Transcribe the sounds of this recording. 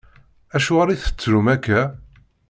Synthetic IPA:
æʃuʁaɾiθə̥t͡sːɾumækːæ

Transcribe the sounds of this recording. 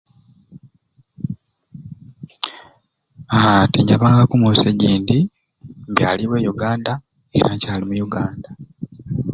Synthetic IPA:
atiɲɟaβaːŋɡakumuseɟiːndi | ŋɡaliβwe̞juɡaːnda | ḛɾacaːlimujuɡaːnda

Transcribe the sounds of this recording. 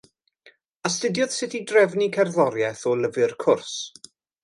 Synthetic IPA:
astədjɔð̥sɪtʰidrɛvnikʰɛrðɔɾjɛθɔləvɨrkʰʊrs

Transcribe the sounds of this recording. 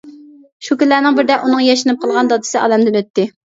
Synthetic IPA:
ʃukʲynlæːnɪŋbɪɾd̪ɛʔunɨŋjɛʃɪnɨp̚qʰəlˠʁɑnd̪ɑd̪ɨ̥sɨʔɑ̰ːlɛmd̪ɪnøt̪ːɪ

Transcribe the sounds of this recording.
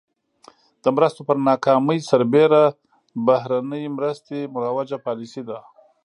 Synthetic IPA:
d̪̥əmɾəst̪opəɾnɑkɑməjsaɾbeɾa | bahɾanəjmɾəst̪emʊɾawad͡ʒapɑlisid̪a

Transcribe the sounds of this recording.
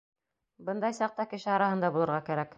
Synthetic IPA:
bɤnd̪ɑjsɑq̚t̪ɑkɘ̆ʃɘɑɾɑhɤ̆nd̪ɑbulˠɤ̆ɾʁɑkæɾæk

